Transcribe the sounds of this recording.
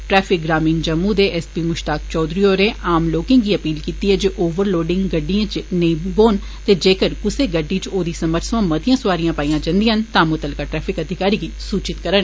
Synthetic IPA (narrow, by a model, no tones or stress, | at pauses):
ʈɾɛːpʰɪk̚ɡɾaːmiːnd͡ʒəmːuːd̪eːʔɛspiːmʊʃʈaːk̚t͡ʃɔːd̪ɾiːoːɾeːʔaːmloːkɪ̃ŋɡiːəpiːlkiːt̪iːɦɛːd͡ʒeːʔoːʋəɾloːɖɪ̃ŋɡɡəɖːiãːt͡ʃneboːn | t̪eːd͡ʒeːkəɾkʊseːɡəɖːiːt͡ʃoːd̪iːsəməɾsʋãːməd̪ɪjãːsʊʋaːɾijãːpaːiːjãːd͡ʒə̃nd̪ijɦənt̪ãːmʊt̪əlkaːʈɾɛːpʰɪkəd̪ʱɪkaːɾiːɡiːsuːt͡ʃɪt̪kəɾənː